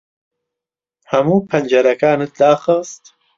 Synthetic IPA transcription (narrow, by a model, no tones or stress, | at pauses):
hɐmuːpʰɐnd͡ʒɐɾɐkaːnɨt̪̚d̪aːxɨst̪